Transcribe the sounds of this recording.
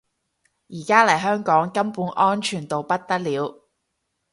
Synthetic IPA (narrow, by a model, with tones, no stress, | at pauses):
jiː˨˩kaː˥lɐ˨˩jɦœː˥ŋkɔː˨˥ŋkɐ˥mpuː˨˥nʔɔː˥nt͡ʃʰyː˨˩nt̪o˨wpɐ˥t̚t̪ɐ˥k̚liː˨˥w